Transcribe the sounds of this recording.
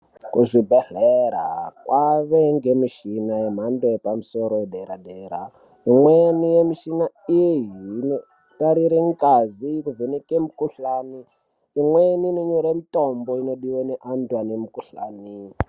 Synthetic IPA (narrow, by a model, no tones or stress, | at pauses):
kuʐibʱɛɮeɾakwaβeŋɡemiʃinajem̤andoepamusoɾoɗeɾadeɾa | imwenijemiʃina | ijeɦno | taɾiɾeŋkʼazikuvenekemukuɬaːniː | ŋweninoɲoɾemitomboinoɗiweneʔantwanemukuɬa̰ːni